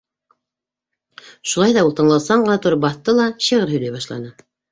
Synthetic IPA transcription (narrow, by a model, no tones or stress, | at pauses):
ʃulˠɑjðɑulˠt̪ɤ̆nlˠɑlˠsɑɴɢɤ̆nɑt̪uɾɤp̚bɑθt̪ːɤlˠɑɕiʁɘɾhɵ̆læβɑʃlˠɑ̰nɤ